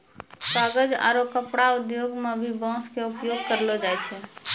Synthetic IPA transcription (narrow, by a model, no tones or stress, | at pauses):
saɡəd͡ʒa̰ɾokəpɽaud̪joɡmebʱibɔ̃skeupjoɡ̚kəɾlɔd͡ʒajt͡ʃʰɛ